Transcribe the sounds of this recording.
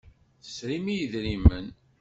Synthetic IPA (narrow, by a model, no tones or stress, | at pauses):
θə̥sɾimijəðɾimən